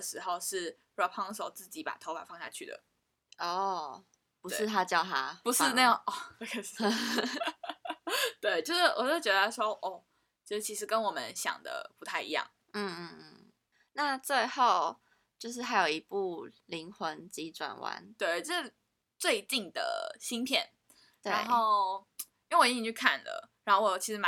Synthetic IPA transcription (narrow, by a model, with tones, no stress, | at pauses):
ʂɻ̩˧˥˦xo˥˧ʊʂɻ̩˥˩pʰɔ˧˩pʰɑ˥ŋs̬o˨˩ʊt͡sɹ̩˥˩t͡ɕi˨˥˦pa̰˨˩t̪ʰo˧˦pa̰˨˩fɑ˥˧ŋɕja̰˥˧t͡ɕʰy̰˥˩d̪ə̰˩ | ɔ˥˩ | pu˧˥eʂɻ̩˥˧t̪ʰa˦˥t͡ɕjɑ˥˩ʊt̪ʰa˥pu˧˦ʂɻ̩˥˧na˥˧jŋɔ˥˩˥kʰ | t̪we˥˩ɪt͡ɕjo˥˧ʊʂ̩˥˩wɔ˨˩t͡ɕt͡ɕɥɛ˧˥d̪ə˩a˥ʂwɔ˥ʔɔ˥˩ | t͡ɕʰi˧˥ʂ̩˥˩t͡ɕʰi˧˥ʂɻ̩˧˥kə˦nwɔ˨˩mə˦nɕjɑ̰˨˩ŋd̪ə̰˦˩pu˧˥t̪ʰa˥˩ɪḭ˧˥jɑ̰˥˩ŋ | n̩˥˧n̩˥˧n̩˥˩ | na˥˧t͡swe˥˧ɪxo˥˩ʊ | t͡ɕjo˥˧ʊʂ̬ɻ̩˥˩ɦa˧˥ɪjo˨˩i˧˦˥pu˥˩li˧˥ŋxwə˧˦nt͡ɕi˧˥ʈ͡ʂwa̰˨˩nwa̰˧˦nt̪we˥˩ɪt͡sɤ˥˩ʂ̩˥˩ | t͡swe˥˧ɪt͡ɕi˥˩ŋd̪ə̰˩ɕi˥ŋpʰjɛ̰˥˨n | t̪we˥˧˩ɪnxo˥˩ʊ˥˧ | wɔ˨˩i˥ĩ˨˩t͡ɕʰy˥˩kʰa̰˥˩nlə̰˩ɻa˧˥nxo˥˩wɔ˨˩t͡ɕʰi˧˥ʂɻ̩˧˥ma˧